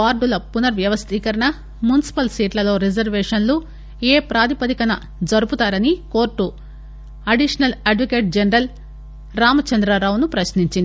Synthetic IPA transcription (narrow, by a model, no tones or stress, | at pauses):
aːɾɖulɐpunɐɾʋjɐʋɐst̪ʰiːkɐɾɐɳɐ | munisi̥pɐlsiːʈlɐlo̞ːɾid͡ʒɐɾʋeːʂɐnlu | eːpɾaːd̪ipɐd̪ikɐnɐ | d͡ʒɐɾuput̪aːɾɐniko̞ːɾʈːu | ɐɖiʂɐnɐlɐɖʋɐke̞ːʈ̚d͡ʒɐnɐɾɐl | ɾaːmɐt͡ʃɐnd̪ɾɐɾaːwunupɾɐsniɲt͡ʃind̪i